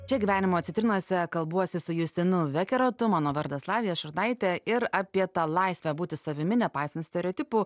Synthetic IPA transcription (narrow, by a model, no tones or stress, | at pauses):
t͡ʃʲɛɡʲiːʋʲæːnʲɪmoːɐt̪sʲɪt̪ɾʲɪnɔsʲɛkɐlˠbuɔsʲɪsʊjʊsʲt̪ʲɪnʊʋʲɛkʲɛɾoːt̪ʊmɑːnoːʋɐɾd̪ɐslˠɑːʋʲɪjɛʃʊɾd̪ɐɪt̪ʲɛɪɾɑːpʲiɛt̪ɐlˠɐɪsʲʋʲɛbuːt̪ʲɪsɐʋʲɪmʲɪnʲɛpɑˑɪsɐnt̪sʲt̪ʲɛɾʲɛɔːt̪ʲɪpuː